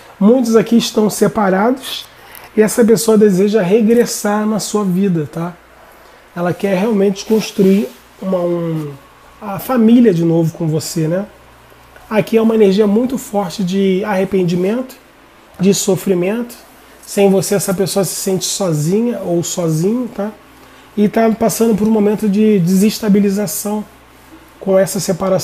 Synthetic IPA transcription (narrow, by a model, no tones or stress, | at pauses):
mũj̃t̪̬ʊzakiɪʃt̪ɐ̃w̃sepaɾad̪ʊs | ɪɛsɐp̬esoɐd̪ezeʒɐɦeɡɾesaɾnɐsuɐvid̪ɐt̪a | ɛlɐkɛɾɦeawmẽnt͡ʃɪ̥kõʃt̪ɾuiɾ | ũmɐũ | ɐfamilʲiɐd͡ʒɪnovʊkõvosenɛ | akiaũmɐeneɾʒiɐmũj̃t̪ʊfɔɾt͡ʃɪd͡ʒɪaɦepẽnd͡ʒimẽnt̪ʊ̥ | d͡ʒɪsofɾimẽnt̪ʊ̥ | sẽj̃voseɛsɐpesoɐsɪ̥sẽnt͡ʃɪ̥sɔzĩɲɐowsɔzĩɲɐt̪a | ɪt̪apasɐ̃nd̪ʊpoɾũmomẽnt̪ʊd͡ʒɪd͡ʒɪzɪʃt̪abilizasɐ̃w̃ | kõɛsɐsepaɾa